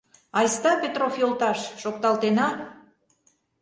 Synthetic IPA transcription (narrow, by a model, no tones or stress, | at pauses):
ɑjst̪ɑpʲet̪rofjolt̪ɑʃːok̚t̪ɑlt̪enɑ